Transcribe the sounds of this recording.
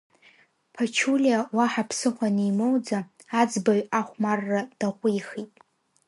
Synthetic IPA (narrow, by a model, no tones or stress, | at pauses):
pʰat͡ʃʰulʲiawaħapʰsɨχʷanijmowd͡zaː | d͡zbaɥʷaχʷmarːad̥aʁʷʼʊjχitʼ